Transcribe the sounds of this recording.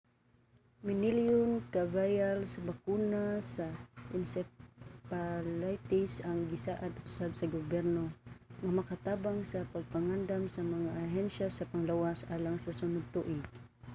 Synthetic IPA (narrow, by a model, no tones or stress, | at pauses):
mɪnɪljʊnkavajalsabakunasaɪnsɛpalajt̪ɪsaŋɡɪsaːʔad̪ʊsabsaɡʊbjɛɾnoŋamakat̪aːbaŋsapaɡ̚paŋand̪amsamaŋaʔːɦɛnʃasapaŋlawasʔalaŋsasʊnʊd̪̚t̪ʊʔɪɡ̥̚